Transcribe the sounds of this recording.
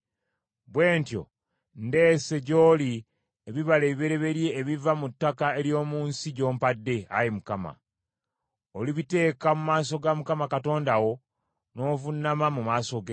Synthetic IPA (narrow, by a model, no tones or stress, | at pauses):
βwe̞ːntjo̰ | nde̞ːse̞ɟo̞ːli | eβiβaleːβiβeɾe̞βe̞ɾje̞ːβivamutːakaeljo̞ːmuːnsiɟo̞ːmpadːe̞a̰jimukama̰ | oliβite̞ːkamumaːso̞ɡamukamakato̞ːndaɣo̞ | no̞ːvunamamumaːso̞ɡe